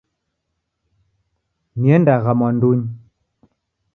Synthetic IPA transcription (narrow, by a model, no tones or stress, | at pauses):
mjɛndaɣamɔnduɲ